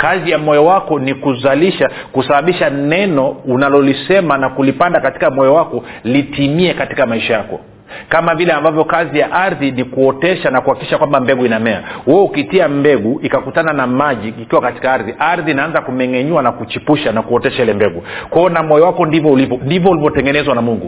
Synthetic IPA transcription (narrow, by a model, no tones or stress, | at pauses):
kazijamɔjɔwakɔnikuzaliʃa | kusaɓaɓiʃanɛnɔunalɔlisɛmanakulipandakati̥kamɔjɔwakɔ | litimiɛkati̥kamaiʃajakɔ̰ | kamavilɛambavjɔkazijaʔaɾðinikuɔtɛʃanakuhakiki̥ʃakwambambɛɡuinamɛa̰wɛukitiambɛɡuikakutananamaʄiːkiwakati̥kaaɾðiʔaɾðinaanzakumɛŋɛɲuwanakut͡ʃipuʃanakuɔtɛʃailɛmbɛɡukwaɔnamɔjɔwakɔndivɔulivɔndivɔulivɔtɛŋɡɛnɛzwanamuŋɡu